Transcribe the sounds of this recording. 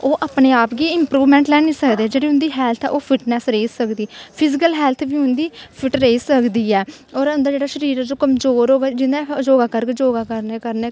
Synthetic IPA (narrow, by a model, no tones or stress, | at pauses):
oːʔaːpneːaːpɡiːɪmpɾuːʋmɛ̃ːɳʈlɛːniːsəkd̪eːd͡ʒeːɽiːʊnd̪iːɦɛːlt̪ʰɛ̰ʔoːpʰɪʈnɛːsɾeːsəkd̪iːpʰɪzɪkəlɦɛːlt̪ʰbiːʊnd̪iːpʰɪʈɾeːsəkd̪iːɛː | ɔːɾənd̪aːd͡ʒeːɽaːʃəɾiːɾɛːd͡ʒoːkəmzoːɾɦoːɡaːd͡ʒɪnd̪aːd͡ʒoːɡaːkəɾked͡ʒoːɡaːkəɾneːkəɾneː